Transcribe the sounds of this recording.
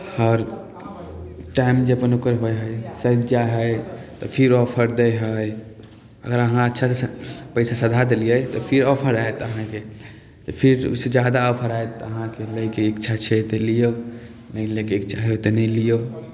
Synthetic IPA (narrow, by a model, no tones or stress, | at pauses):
həɾ | ʈajmd͡ʒəpənokəɾɦojɦəjsəd̪d͡ʒaɦəjt̪ɔpʰiɾɔpʰəɾd̪əɦəj | ə̰ɡəɾəɦãətːʃʰasepəɪsasəd̪ʱad̪elijəjt̪ɔpʰiɾɔpʰəɾaet̪əɦãke | t̪ɔpʰiɾṵsed͡ʒad̪aɔpʰəɾaet̪ɔəɦãkeləjkeikt͡ʃʰat͡ʃʰɛt̪elijo | nəjlekeikt͡ʃʰaɦjot̪enəlijo